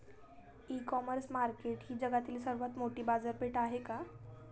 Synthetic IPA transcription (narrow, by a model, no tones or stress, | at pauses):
ikɔməɾsmaɾkeʈɦiːd͡ʑəɡat̪iːlsəɾʋat̪moʈiːbad͡zəɾpeʈaɦeka